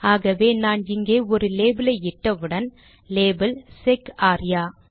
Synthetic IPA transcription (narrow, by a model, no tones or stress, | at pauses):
aːɣɐʋeːnaːnɪŋɡeːɔɾɯleːbɪlɐɪɪʈːɐʋɯɽɐn | leːbɐlsɛkaːɾɪjaː